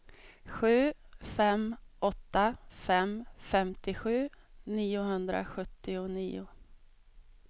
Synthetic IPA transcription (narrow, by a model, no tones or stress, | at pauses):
ɧʉ̟ːfɛmːʔɔt̪ːafɛmfɛmt̪ɪɧʉ̟ːniːʊɦɵnd̪ɾa̰ɧɵt̪ːɪʊniːʊ